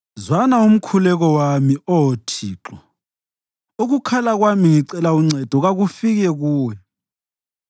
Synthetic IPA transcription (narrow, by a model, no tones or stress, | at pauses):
zwanaum̩kʰulɛɣɔwamiɔtʰiːǁɔ | oɣukʰalaɣwamiŋiǀɛlauŋ͡ǀʱɛd̥ʱɔɣaɣufiɣɛɣuːwɛ